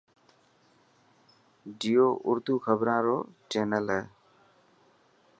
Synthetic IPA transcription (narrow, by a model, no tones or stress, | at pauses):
ɖijoʔʊɾt̪uːkʰəbɾãːɾoːt͡ʃeːnəlɛ